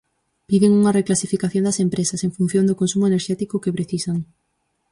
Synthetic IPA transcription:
piðeŋuŋɐreklasifikaθjond̪ɐsempɾesɐseŋfun̟θjond̪ʊkonsumoʊeneɾʃɛt̪ikʊkepɾeθisaŋ

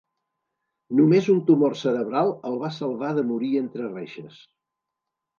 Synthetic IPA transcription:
numezunt̪umorsəɾəβɾalˠəlˠβasəlˠβaðəmuɾient̪ɾəreʃəs

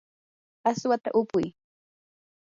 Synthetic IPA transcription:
aswat̪a̰ʔʊpʊj

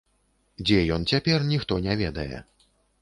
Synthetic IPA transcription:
d͡zʲɛjɔnt͡sʲapʲɛrnʲixt̪ɔnʲɛvʲɛd̪ɐjɛ̰

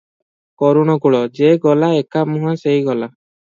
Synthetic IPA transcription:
kɔɾuɽ̃ɔɡuɭɔd͡ʒeɡɔlaekamũɦasejɡɔla

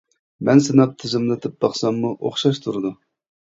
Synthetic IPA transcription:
mɛnsɨnɑp̚t̪ʰɪzɪmlɪt̪ʰɪp̚bɑχsɑmːuʔo̰χʃɑʃt̪ʰuɾɨd̪u

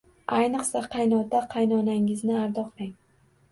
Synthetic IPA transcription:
ajnɨqsaqʰɑjnɒd̪aqʰɑjnɒnaŋɪznɪaɾd̪ɒqʰɾaŋ

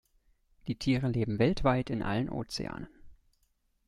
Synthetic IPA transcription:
d̥iːtʰiːʁəleːbm̩vɛltv̥aɪtɪnʔa̰lənʔo̰ːt͡sḛa̰ːnən

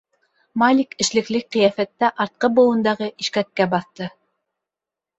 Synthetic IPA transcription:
malʲikɘ̆ʃlɘ̆klɘk̚qĭjæfæt̪ːæʔɑɾt̪̚qɤbŭlˠɤ̆nd̪ɑʁɤʔiʃkæt̪̚kæbɑθt̪ɤ

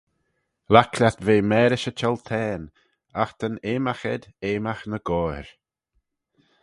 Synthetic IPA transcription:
lakʰlʲat̪veːmɛːɾɪʃət͡ʃʰɛlt̪ʰɛːn | axt̪ʰəneːmaxɛd̪eːmaxnəɡ̥ɔːɾ

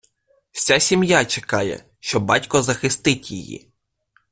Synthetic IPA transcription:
wsʲasʲimjat͡ʃekɑjɛ̰ | ʃt͡ʃɔbːɑtʲkɔzɐxɪst̪ɪtʲjḭjḭ

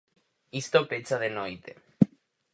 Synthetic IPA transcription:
ist̪opet͡saðenojt̪e

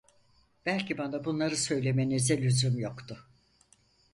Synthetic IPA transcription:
b̥ælʲcʰibanabunlˠaɾɯsø̞jlʲe̞menizɛlʲyzymjokt̪ʰʊ

